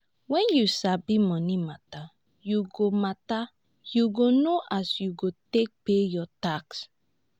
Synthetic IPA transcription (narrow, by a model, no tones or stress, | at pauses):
wɛ̃njusabimɔnimata | juɡomata | juɡonoʔasjuɡotek̚pejɔtaks